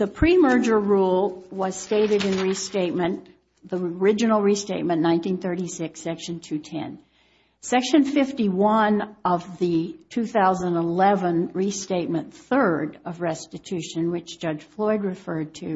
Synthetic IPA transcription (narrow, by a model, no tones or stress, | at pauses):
ðɨpʰɹ̥imɜ˞d͡ʒə˞ɹulˠwʌz̥steɪɾɨɾɨ̃nɹisteɪt̚mɨ̃n | ðiə˞ɪd͡ʒɨnl̩ˠɹisteɪt̚mɨ̃nnãɪ̃ntĩnθɜ˞ɾisɪksɛkʃɨ̃n̩tʰʉtʰɛ̰̃n | sɛkʃɨ̃nfɪftiwʌ̃nʔʌvðɨtʰʉθaʊzə̃nəlɛvə̃nɹisteɪt̚mɨ̃nθɜ˞ɾʌvɹɛstɨtʰʉʃɨ̃nwɨt͡ʃd̥ʒ̥ʌd͡ʒʒ̥flɔɪd̚ɹɨfɜ˞d̚tʰɨ